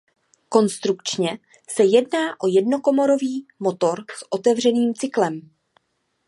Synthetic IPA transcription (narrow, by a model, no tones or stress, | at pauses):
ko̞nst̪ɾukt͡ʃɲɛ | sɛjɛdnaːʔo̞jɛdno̞ko̞mo̞ɾo̞viːmo̞t̪o̞ɾsʔo̞t̪ɛvr̝ɛniːmt͡sɪklɛm